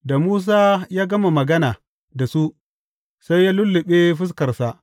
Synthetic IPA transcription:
da˨muː˦s̬aː˦jaː˦ɡɐ˦ma˨mɐ˨ɡɐ˦naː˨ | da˨su˦ʔ | sa˦jːaː˦lʊ˦lːɪ˨ɓe˦ɸɪ˦s̬kɐ˨rsa˨ʔ

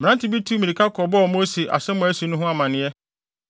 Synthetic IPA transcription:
mɪ̃˨nã˦ntɪ˨bi˦tʰu˦mĩ˨i˨kʰa˦kʰɔ˨bɔ˦ɔ˨mo˦si˨ʔa̰˨sɛ̃˦mʊ̃˨˦æ˦su˨˦nʊ̃˦ɦʊ̃˦a˨mã˨nɪ̃˦jɛ˦

